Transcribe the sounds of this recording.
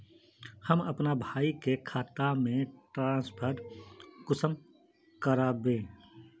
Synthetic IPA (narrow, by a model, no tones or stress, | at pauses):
həməpnabʱaːikekʰaːt̪amẽʈɾãːspʰəɾkʊsəm | kəɾaːbẽː